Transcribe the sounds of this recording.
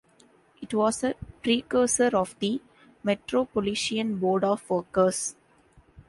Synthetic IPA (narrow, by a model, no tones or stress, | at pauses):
ɪʈʋɔːsəpɾiːkəːsəɾɔːʋd̪i | meʈɾoːpoliʃiə̃nboːɖɔːfʋəːkəs